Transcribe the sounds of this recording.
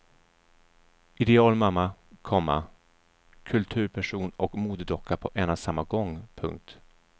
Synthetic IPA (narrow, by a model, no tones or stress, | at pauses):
ʔɪd̪ɛɑːlmamːakʰɔmːa̰ | kʰɵlt̪ʰʉ̟ːɾpʰæʂuːnɔkmuːd̪əd̪ɔkʰːapʰɔʔɛːnasamːaɡɔŋːpʰɵ̰ŋk̚t̪